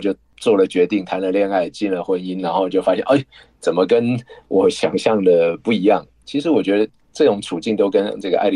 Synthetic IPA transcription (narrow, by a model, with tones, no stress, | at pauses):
t͡ɕjo˥˧ʊ | t͡swɔ˥˩lə˩t͡ɕɥɛ˧˥t̪i˥˩ŋt̪ʰa˧˥nlə˨ljɑ˥˧ŋa˥˩ɪt͡ɕi˥˩nlə˩xwə˧˥ni˦˥nla˧˥nxo˥˩ʊt͡ɕjo˥˩ʊfa˥ɕjɛ˥˨nʔe˥˩ɪ | t͡sə˨˩nmə˦kə˦nwʔɔ˨˩˦ɕjɑ˨˩ŋɕjɑ˥˩ŋd̪ə˩pu˥˩i˧˥jɑ˥˩ŋ | t͡ɕʰi˧˥ʂɻ̩˧˥wɔ˨˩t͡ɕɥɛ˧˥d̪ə˧ | ʈ͡ʂɤ˥˩ʈ͡ʂʊ˨˩ŋt͡sʰu˨˩t͡ɕi˥˩nt̪o˥ʊkə˦nʈ͡ʂɤ˥˩ɡə˩ʔa̰˥˩ɪl